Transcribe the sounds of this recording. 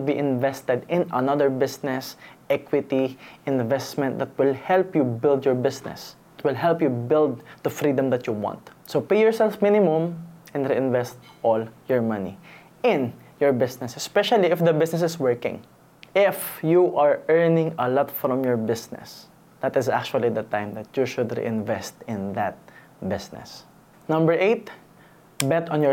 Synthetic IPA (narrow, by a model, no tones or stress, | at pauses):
biʔɪ̃nvɛst̪ɛd̪ɪ̃nɐ̰naðəɹbɪsnɛsʔɛkwɪt̪iɪ̃nvɛst̪mɛ̃nt̪̚d̪ɐt̪̚wɪlhɛlpjubɪld̪jɔɹbɪsnɛ̰s | t̪̚wɪlɦɛlpjubɪld̪̚d̪əfɾid̪ɐ̃md̪ɐt̪juwɑ̰̃nt̪sopejjɔɹsɛlfmɪ̃nɪmʊ̃mʔɛ̃nɾiɪ̃nvɛst̪̚ʔɔljɔɹmʌnḭ | ʔɪ̃n | jɔɹbɪsnɛsɛspɛʃɐliɪfd̪ɐbɪsnɛsɪswɛɹkɪ̰̃ŋ | ʔɪfjuʔaɹɛɹnɪ̃ŋɐlɔt̪fɾɔ̃mjɔɹbɪsnɛ̰s | d̪̥ɐt̪ɪsa̰k̚t͡ʃuɐlid̪ɐt̪ãɪ̃md̪ɐt̪juʃʊd̪ɹḭʔɪ̃nvɛst̪ɪ̃nðɐt̪̚ | bɪsnɛ̰s | nʌ̃mbəɹʔeɪt̪̚ | bɛt̪ɔ̃njɔ